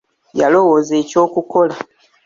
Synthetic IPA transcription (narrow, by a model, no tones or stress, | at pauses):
jalo̞wo̞ze̞co̞ːkuko̞la